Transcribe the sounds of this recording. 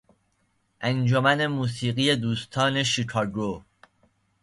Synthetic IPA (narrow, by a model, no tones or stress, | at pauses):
ʔænd͡ʒomæne̞muːs̬iːɣije̞d̪uːst̪ʰɒːneʃikʰɒɡo